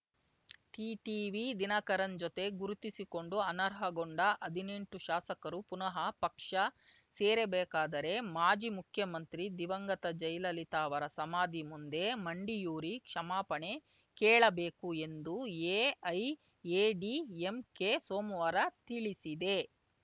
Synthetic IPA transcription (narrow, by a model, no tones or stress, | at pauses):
ʈiːʈiːʋid̪inɐkɐɾɐnd͡ʒot̪e̞ɡuɾut̪isiko̞ɳɖuɐnɐɾɦɐɡoɳɖɐʔɐd̪ʱine̞ɳʈuʃaːsɐkɐɾupunɐɦɐpɐkʂɐ | sɛːɾebɛːkaːd̪ɐɾe̞maːd͡ʒimukʰjɐmɐnt̪ɾid̪iʋɐŋɡɐt̪ɐd͡ʒɐjlɐlit̪aːʋɐɾɐsɐmaːd̪imund̪e̞mɐɳɖijuːɾikʂɐmaːpɐɳe | kɛːɭɐbeːkue̞nd̪ueːɐj | eːɖiːemkesoːmʋaːɾɐt̪iɭisid̪e̞